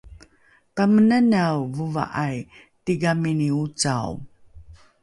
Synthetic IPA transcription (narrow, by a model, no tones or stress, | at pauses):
pamənənawvuva̰ʔaj | tiɡaminiut͡sa̰w